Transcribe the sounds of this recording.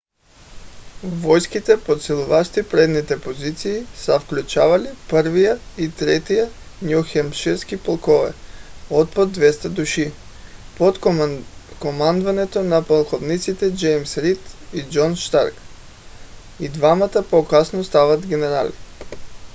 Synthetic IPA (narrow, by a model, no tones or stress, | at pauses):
vɔjskit̪ɛpot̪sɛlˠuvaʃt̪ipɾɛd̪nit̪ɛpozit̪siːsəfklʲut͡ʃavalipəɾvijait̪ɾɛt̪ija | njuxɛmʃiɾskipolˠkovɛ̰ot̪̚pod̪̚d̪vɛst̪ad̪uʃi | pot̪ | komand̪vanɛt̪onapalˠxovnit̪sit̪ɛd͡ʒɛjmsɾit̪id͡ʒonʃt̪a̰ɾk | id̪vamat̪apokasnost̪avat̪ɡʲɛnɛɾa̰li